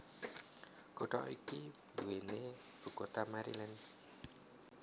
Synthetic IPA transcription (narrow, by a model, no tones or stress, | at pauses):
koɖɔ̰ʔiki | duwene | b̥ṳkot̪amaɾḭlɛn